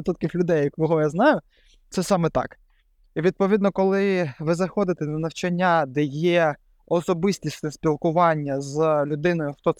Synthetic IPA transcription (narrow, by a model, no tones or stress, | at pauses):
t̪ut̪kɪxlʲʊd̪ɛjjɐkʋɔɦɔjaznɑjʊ | t̪sɛsɑmɛt̪ɑ̰k | iʋʲid̪̚pɔʋʲid̪nɔkɔlˠɪʋɪzɐxɔd̪ɪt̪ɛnɐnɐwt͡ʃɐnʲːad̪ɛjɛ | ɔsɔbɪsʲtʲisnɛspʲilˠkʊʋɑnʲːɐzlʲʊd̪ɪnɔjʊxt̪ɔ